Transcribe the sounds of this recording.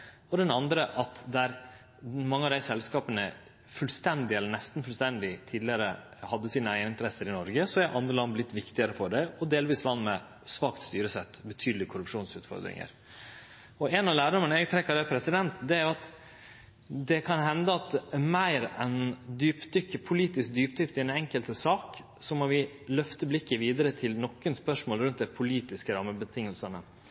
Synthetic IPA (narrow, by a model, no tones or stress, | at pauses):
ɔd̪ɛnɑnd̪ɾəʔɑt̪d̪æɾ | mɑŋːəɑd̪æɪsɛlskɑːpənə | fʉlst̪ɛnd̪ɪɛlːəɳnɛst̪n̩fʉlst̪ɛnd̪ɪt̪ʰiːd̪lɪəɾəhɑd̪ːəsiːnəæənɪnt̪əɾɛsːəɾɪnɔɾɡəsɔæʔɑnd̪ɾəlɑnblɪt̪ːʋɪkt̪ɪəɾəfɔɖæɪɔd̪eːlʋiːslɑnːmɛ | sʋɑːkt̪st̪yːɾəsɛt̪ːbət̪ʰyːd̪əlɪkʰʊɾʉpʂuːnsʉ̰ːt̪fɔ̰ɾd̪ɾɪ̰ŋə̰ɾ | ɔɛnɑʋlæːɖɔmənəɛɡt̪ʰɾɛkːəɖ̪ɛpʰɾɛsɪd̪ɛnt̪d̪ɛæɾjʊɑt̪ | d̪ɛkʰɑnɦɛnd̪əɑt̪mæɪɾɛnd̪yːpd̪ʏkːəpʰʊliːt̪ɪsk̚d̪yːp̚d̪ʏpt̪ɪɛnɛŋkəlt̪əsɑːk | sɔmɔʋɪ | lœft̪əblɪkːəʋiːd̪əɾət̪ʰɪlnɔkːənspœʂmoːlɾʉnt̪̚d̪æɪpʰʊliːt̪ɪskəɾɑmːəbət̪ʰɪŋːəlsənə